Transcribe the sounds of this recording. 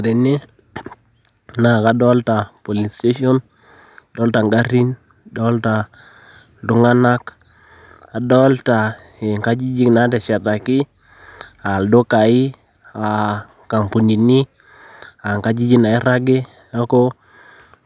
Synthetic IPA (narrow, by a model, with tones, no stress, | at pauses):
a˨di˨ne˦ | na˦˨ka˨dɔ˦lta˨po˨li˨ste˦ʃɔ˦n˨ | dɔ˦lta˨ŋɡa˦ɾi˦n | dɔ˦lta˨ | du˦ŋa˦na˦k | a˨dɔ˦lta˨ | e˨ŋka˦d͡ʒi˦d͡ʒi˦kna˨˦dɛ˨ʃa˨ta˨ki˦ | a˨ldo˦ka˨i˦a˨ka˨mpu˨ɲi˨ni˦ | a˨ŋka˦d͡ʒi˦d͡ʒi˦na˨i˦ɾa˦ɡe˦ | a˦ko˦